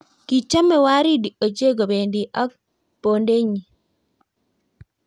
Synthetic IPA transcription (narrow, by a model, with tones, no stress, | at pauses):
ki˨t͡ʃa˦mɛ˦wa˦ɾi˦di˨o˨t͡ʃe˦ɡo˨be˨ndi˨ʔɔ˦k̚ | po˨nde˦ɲi˨